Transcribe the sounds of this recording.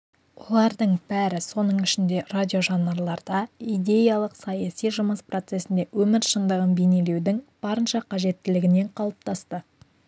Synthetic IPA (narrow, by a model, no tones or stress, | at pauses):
wolˠɑɾd̪əɴb̥æɾɪso̞nəɴɪʃɪnd̪e̞radʲijo̞ʒɑnːɑɾlˠɑɾd̪ɑijd̪ʲe̞jɑlˠəqsɑjɑsijʒʊməspro̞t̪se̞sɪnd̪e̞wʔɵmɪɾʃənd̪əʁənbene̞le̞wd̪ɪŋb̥ɑɾənʃɑqʰɑʒe̞t̪ːɪlɪɡʲɪne̞ɴqʰɑlˠəp̚t̪ɑst̪ə